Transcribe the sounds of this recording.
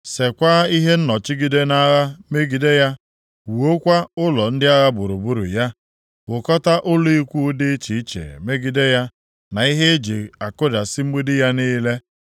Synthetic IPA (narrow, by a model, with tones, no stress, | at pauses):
se˨kʷa˦i˦ɦe˦n̩˦nɔ˨t͡ʃi˦ɡi˦de˦na˦ɣa˦me˦ɡi˨de˦ja˦ | wo˦kʷa˦ʊ˦lɔ˨n̩˦dɪ˦a˦ɣa˦bʊ˨ɾu˨bu˦ɾṵ˨ja˦ | wʊ˨kɔ˦ta˦ʔʊ˦lo˦i˦kʷu˦dɪ˦t͡ʃi˨˦t͡ʃḛ˨me˦ɡi˦de˦ja˦ | na˨i˦ɦe˦e˦d͡ʒe˨a˨kʊ˦da˨sɪ˦m̩˦mu˦dɪ˦ja˦niː˦le˦